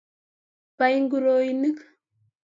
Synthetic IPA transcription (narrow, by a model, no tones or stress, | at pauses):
pajŋɡuɾojnək